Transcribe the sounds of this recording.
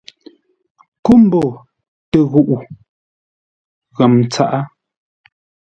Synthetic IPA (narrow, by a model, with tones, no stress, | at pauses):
ku˦m̩˦bo˨ | tə˨ɣu˦ʔu˨ | ɣə˨mt͡sa˦ʔa˦